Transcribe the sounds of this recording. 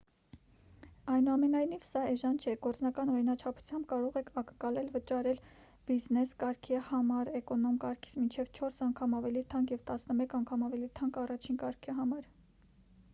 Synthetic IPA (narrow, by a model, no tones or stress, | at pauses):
ɑjnuɑmɛnɑjnivsɑɛʒɑnt͡ʃʰɛɡɔɾt͡snɑkɑnɔɾinɑt͡ʃʰɑpʰu̥t͡sʰjɑmbkɑɾɔʁɛkʰɑkəŋkɑlɛlvət͡ʃɑɾɛl | b̥iznɛskɑɾkʰihɑmɑɾɛkɔnɔmkɑɾkʰi̥t͡smint͡ʃʰɛvt͡ʃʰɔɾsɑŋkʰɑmɑvɛlit̪ʰɑŋɡjɛvt̪ɑsnəmɛkɑŋkʰɑmɑvɛlit̪ʰɑŋɡɑrɑt͡ʃʰinkɑɾkʰiɦɑmɑɾ